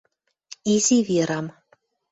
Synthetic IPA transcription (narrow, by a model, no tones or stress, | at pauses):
izʲivʲiɾɑm